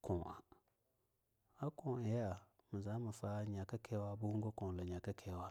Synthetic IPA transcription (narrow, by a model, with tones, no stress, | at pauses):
kʰɔ̃˨ʔa̰˨ | a˦kõ˨ja˨ | mə˨za˨˦mə˨fa˦ɲa˨kə˦kʰɛ˦wa˦bu˦ɡo˦kɔ̃˨lə˨ɲa˨kə˦kʰɛ˦wa˦